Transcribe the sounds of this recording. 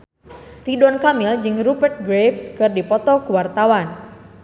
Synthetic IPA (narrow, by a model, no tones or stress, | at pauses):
ridɔnkamild͡ʒɨŋrubɛrt̪̚ɡɾepskɨrdipɔt̪ɔkuwart̪awan